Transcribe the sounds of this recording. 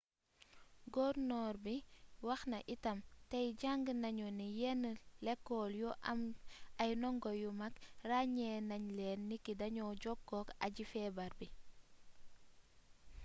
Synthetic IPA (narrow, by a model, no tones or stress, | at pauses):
ɡɔɾnɔːɾbiwaxnɐʔitɐmtajɟaŋɡnaɲɔnijɛnəlekːoljɔʔa̰majnɔŋɡojumakraɲeːnaɲlenːikidɐɲɔɟɔkːoka̰ɟifɛːbaɾbi